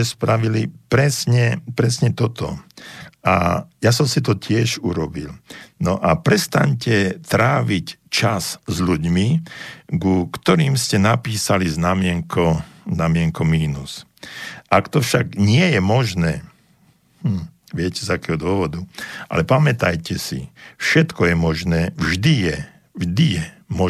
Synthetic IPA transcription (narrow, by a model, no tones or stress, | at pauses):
ɛspɾaʋilipɾɛsɲɛpɾɛsɲɛt̪ɔt̪ɔ̰ | ajasɔmsit̪ɔcʰɪɛʒuɾɔbilnɔʔapɾɛst̪a̰ɲcɛt̪ɾaːʋict͡ʃaszʎuɟmiɡukt̪ɔɾiːmscɛnapiːsaliznamɪɛŋkʰɔnamɪɛŋkɔmiːnus | ʔakt̪ɔfʃaɡɲɪɛjɛmɔʒnɛː | m̩ | ʋɪɛcɛzakɛːɦɔd̪ʊɔʋɔd̪uʔa̰lɛpamɛt̪ajcɛsḭfʃɛt̪kɔjɛmɔʒnɛːʋʒd̪ijɛ | ʒd̪ijɛ | mɔ